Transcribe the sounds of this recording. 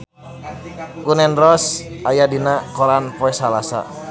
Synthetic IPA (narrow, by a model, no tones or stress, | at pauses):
kunɛnrɔsʔajadinakɔɾanpɔɛsalasa̰